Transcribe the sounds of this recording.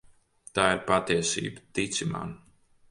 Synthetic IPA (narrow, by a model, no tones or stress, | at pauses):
t̪aːiɾpat̪iɛsḭːbət̪it̪sima̰n